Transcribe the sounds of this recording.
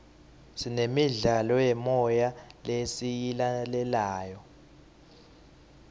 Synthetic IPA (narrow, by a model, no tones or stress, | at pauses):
sinemiɮalɔjɛmɔjalesijilalɛlaːjɔ